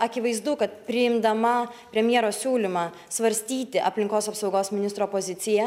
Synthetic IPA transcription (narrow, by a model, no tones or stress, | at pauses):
ɐkʲɪʋɐɪzd̪ʊkɐt̪pʲɾʲɪɪmd̪ɐmɐpʲɾʲɛmʲjeɛɾoːssʲuːlʲɪmɑː | sʋɐɾʲsʲt̪ʲiːt̪ʲɪʔɐ̰pʲlʲɪŋkoːsɐpsɒʊɡoːsmʲɪnʲɪst̪ɾoːpoːzʲɪt̪sʲɪjɛ